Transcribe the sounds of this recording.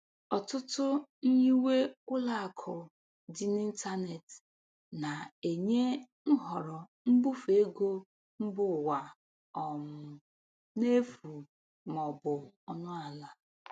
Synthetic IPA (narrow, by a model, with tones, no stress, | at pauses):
ɔ˨tʊ˦tʊ˦n̩˦ɲi˦we˦ʊ˦la˦a˨kʰʊ˨ | dɪ˨ni˦n̩˦ta˦ne˨t | na˨e˨ɲe˦ | ŋ̩˦ɦɔ˨ɾɔ˨m̩˦bu˦fe˨˦ɡo˦ | m̩˦bʊ˦˨wa˨ | ɔ˨mʊ˨ | ne˦fu˨ | mɔ˨bʊ˨ɔ˦nʊ˦a˨la˦